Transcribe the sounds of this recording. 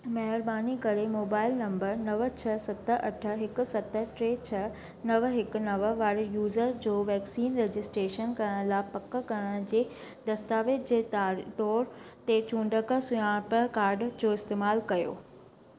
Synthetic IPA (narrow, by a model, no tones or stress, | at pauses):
mɐɦɪɾbaːnikɐɾemoːbaːɪlnɐ̃mbəɾnɐʋət͡ɕʰɐsɐt̪ə̆ʔɐʈʰə̆ɦɪkʊ̆sɐt̪ə̆ʈɾeːt͡ɕʰɐ | nɐʋɦɪkʊ̆nɐʋəʋaːɾjuːzəɾd͡ʑoːʋɛːksiːnɾeːd͡ʑɪsʈɾeːʃənkɐɾɽ̃laːɪpɐkə̆kɐɾəɽ̃d͡ʑeː | d̪ɐst̪aːʋɪt̪d͡ʑeːtːʈɔːɾt̪et͡ɕũːɳɖəkə̆sʊjãpəkaːɾɖd͡ʑoːɪst̪eːmaːlkɐjo̰ː